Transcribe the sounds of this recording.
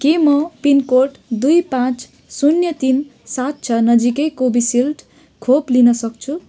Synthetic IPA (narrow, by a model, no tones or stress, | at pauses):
kimʌpinkoʈd̪ujpãt͡s | sunjʌt̪insat̪̚t͡sʰʌnʌd͡zikʌjkobisilʈ | kʰoplinʌsʌk̚t͡sʰu